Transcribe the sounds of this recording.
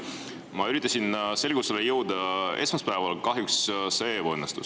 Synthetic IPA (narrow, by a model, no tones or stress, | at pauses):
mɑyɾit̪ːˑɑsʲinse̞lɡ̥uselejɤwd̪̥ɑe̞smɑspæevɑlkɑɦjuksse̞ːvonːɑst̪us